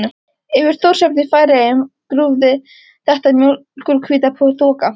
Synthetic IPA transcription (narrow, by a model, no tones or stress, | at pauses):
nʏ | ɪvɪɾ̥θowɾ̥sœpnɪfajɾaɛmkɾuːvðɪ | θɛht̪amjokulkʰviːt̪apʰɔθɔːka